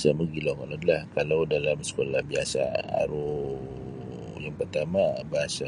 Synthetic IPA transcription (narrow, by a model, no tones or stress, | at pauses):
saməɡilawkalaadalahkalawdalamsə̥kolahbiasa̰a̰ɾo | jaŋpərt̪amabaɦasa